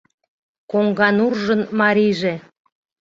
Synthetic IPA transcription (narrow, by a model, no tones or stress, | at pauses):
koŋɡɑnurʒənmɑɾiʒe